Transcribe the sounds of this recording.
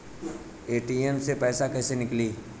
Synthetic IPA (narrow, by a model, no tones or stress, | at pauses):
eːʈiənsepɛːsakɛːsenɪkliː